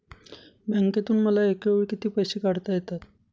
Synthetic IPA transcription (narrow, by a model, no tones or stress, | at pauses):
bəŋket̪uːnməlaekeʋɭkit̪iːpəjɕiːkaɽt̪ajet̪at̪